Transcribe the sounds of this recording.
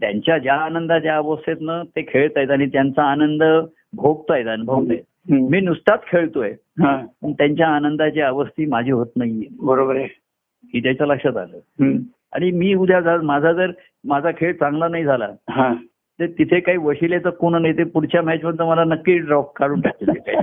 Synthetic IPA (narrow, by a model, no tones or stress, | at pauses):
t̪ja̰ɲt͡ɕjad͡ʑjaːnənd̪at͡ɕjaəʋəst̪et̪nət̪ekʰeɭt̪ajt̪aɽ̃it̪jant͡saːnənd̪ə | bʱoɡ̚t̪ajet̪anbʱəʋt̪aet̪̚miːnuʂʈat̪kʰeɭt̪oe | ɦãpəɳt̪jaɲt͡ɕjaːnənd̪at͡ɕeəʋəst̪iːmad͡ʑʱiːɦot̪naɦiebəɾobəɾe | ɦit̪jajt͡saləkʂəd͡z̪a̰ləːɦ | a̰ɽ̃imiːud̪ʱjad͡zʱalat̪mad͡zʱad͡zəɾ | mad͡zʱakʰeɭt͡sãŋɡlanaɦid͡zʱala̰ɦã | t̪əɾt̪it̪ʰekaɦiːʋəɕilet͡səkoɽɳ̃najt̪epuɽt͡ɕjamat͡ɕməd̪t̪əməlanəkːiːɖɾɔfkːaɽuːɳʈak̚t̪ileka̰ḭ